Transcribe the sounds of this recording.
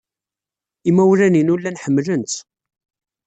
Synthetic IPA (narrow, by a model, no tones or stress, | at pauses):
imæwɾæninulːænħəmːlənt̪